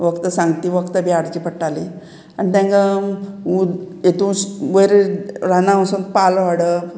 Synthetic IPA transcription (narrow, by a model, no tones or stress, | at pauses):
ʋəkt̪əsãŋɡt̪iːʋəkt̪əbʱjaɽt͡ɕiːpəʈːali | anit̪ãŋɡaujet̪ũːʋəjɾeɾanaə̃sun̚palʋaɽə